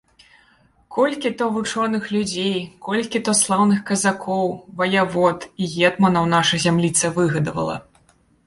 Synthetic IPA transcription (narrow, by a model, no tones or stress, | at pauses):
kɔlʲkʲit̪ɔvɨt͡ʂɔnɨxlʲud͡zʲejkɔlʲkʲit̪ɔslˠawnɨxkɐzakʰɔwvɐjavɔt̪iɣʲɛt̪mɐnɐwnaʂɐjzʲamlʲit̪sɐvɨɣɐd̪ɐvɐ̰lˠɐ̰